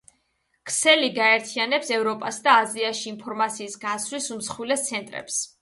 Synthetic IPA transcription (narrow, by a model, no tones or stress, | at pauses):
kʰsɛliɡaɛɾt̪ʰianɛpsɛvɾɔpʼasd̪aːziaʃiːmpʰɔɾmat̪sʰiːsɡaslisumsχwilɛst̪sʰɛnt̪ʼɾɛ̰ps